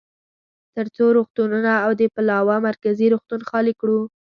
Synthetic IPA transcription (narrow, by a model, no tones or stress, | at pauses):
t̪əɾt͡soɾoxt̪ununaːwd̪əpalɑwamaɾkaziɾuxt̪unxɑlikɽu